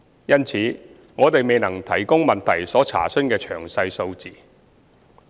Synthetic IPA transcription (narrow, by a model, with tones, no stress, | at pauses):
jɐ˥nt͡sʰiː˨˥ | ŋɔː˨˧t̪e˨jme˨jnɐ˨˩ŋt̪ʰɐ˨˩jkʊ˥ŋmɐ˨nt̪ʰɐ˨˩jsɔː˨˥t͡sʰa̰ː˨˩sɵ˥nkɛː˧t͡ʃʰœː˨˩ŋsɐ˧jso˧wt͡siː˨